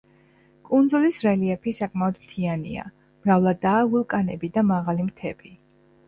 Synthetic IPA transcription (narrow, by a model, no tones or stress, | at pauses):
kʼund̪zulisɾɛliɛpʰisakʼmaɔd̪mt̪ʰianḭa̰ | mɾavlˠad̪aːvulˠkʼanɛbid̪amaʁalimt̪ʰɛ̰b̥i